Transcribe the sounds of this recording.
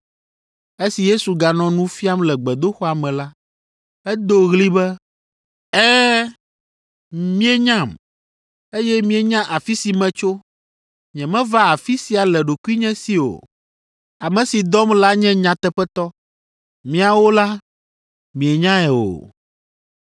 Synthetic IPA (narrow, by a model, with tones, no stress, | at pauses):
e˦si˨je˦su˨ɡa˨nɔ̃˨nũ˦fi˦a˦mlɛ˨ɡ͡bɛ˨d̪o˦xɔ˦a˨mɛ̃˨la˦ | ɛ˦d̪o˦ɣli˦bɛ˦ | ɛ˦ | mĩ˦ɛ˦ɲã˦˨m | e˦jɛ˦mĩ˨ɛ˨ɲã˦ʔa˨fi˦si˨mɛ̃˨t͡ʃo˦ | ɲɛ̃˨mɛ̃˦va˦a˨fi˦si˦a˨lɛ˨ɖo˨ku˦i˦ɲɛ̃˦si˨o̰˨ | a˨mɛ̃˨si˨d̪ɔ˦mla˦ɲɛ̃˦ɲã˨t̪ɛ˦ɸɛ˦t̪ɔ˦ | mĩ˦a˨wo˦la˦ | mĩ˨ɛ˨ɲã˦ɛ˨o̰˨